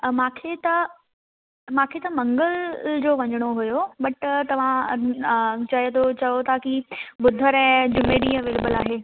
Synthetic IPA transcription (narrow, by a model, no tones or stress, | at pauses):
mãːkʰet̪ɐ | mãːkʰet̪ɐmɐ̃ŋɡəld͡ʑoːʋɐɲəɽ̃oɦujobɐʈt̪ɐʋ̤ã | t͡ɕɐt̪ʰot͡ɕɐjot̪ʰakibʊd̪ʱəɾɛ̃ːd͡ʑʊmeɗĩːə̃ʋeːleːbəlaːɦeː